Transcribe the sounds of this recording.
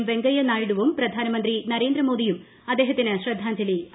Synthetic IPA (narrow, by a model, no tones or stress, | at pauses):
mʋe̞ŋɡɐjɐnaːjiɽuʋumpɾɐd̪ʱaːnɐmɐnd̪ɾinɐɾe̞ːnd̪ɾɐmoːd̪ijum | ɐd̪ːeːɦɐt̪ːinɨɕɾɐd̪ʱːaːɲd͡ʑɐli